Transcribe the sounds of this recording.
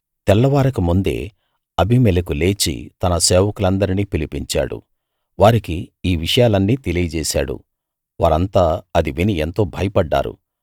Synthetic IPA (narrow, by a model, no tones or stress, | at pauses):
t̪ɛlːɐʋaːɾɐkumund̪e̞̰ː | ɐbʱimɛlɐkule̞ːt͡ʃḭt̪ɐnɐseːʋɐkulɐnd̪ɐɾiniːpilipiɲt͡ʃa̰ːɽṵ | ʋaːɾikiiːʋiʂɐjaːlɐnːiːt̪e̞lijɐd͡ʒɛːsa̰ːɽṵ | ʋaːɾɐnt̪aːɐd̪iʋinient̪o̞ːbʱɐjɐpɐɖːa̰ːɾṵ